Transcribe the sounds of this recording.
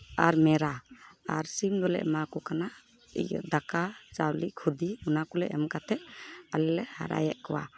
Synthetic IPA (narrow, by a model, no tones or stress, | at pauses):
aɾmɛɾaaɾsimd̪ɔlɛ̰ʔmakɔkana̰ | d̪akat͡ʃawlikʰud̪iunakɔlɛ̰ʔɛmkat̪ʰɛʔalɛlɛha̰ɾa̰jɛʔkɔwa̰